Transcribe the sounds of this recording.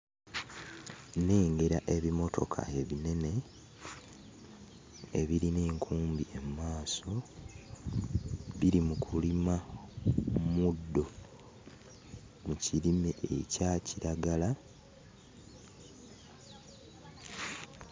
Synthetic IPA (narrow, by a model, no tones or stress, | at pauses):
neːŋɡeɾaʔe̞βimo̞tʰo̞̰kʰa̰e̞βine̞ne̞ | ḛβiɾineːŋkʰuːmbie̞mmːaːso̞ | βiɾimukʰulima | mudːo̞ | mucilimeʔḛcaciɾaɡala